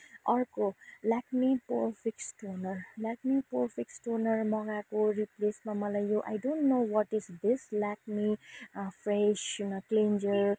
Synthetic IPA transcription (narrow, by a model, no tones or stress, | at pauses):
ʌɾkolakmipoɾfʰiksʈonʌɾlak̚mipoɾfʰiksʈonʌɾmʌɡakoɾiplesmamʌlajjoʔa̰jɖõnʈnowɔʈisd̪islak̚mifʰɾeʃklẽnd͡ʒəɾ